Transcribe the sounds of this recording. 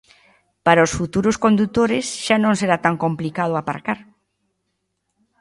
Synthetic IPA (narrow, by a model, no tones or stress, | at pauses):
paɾɐosfut̪uɾʊskond̪ut̪oɾɪsʃanõŋseɾat̪aŋkomplikað̞ʊapa̰ɾkaɾ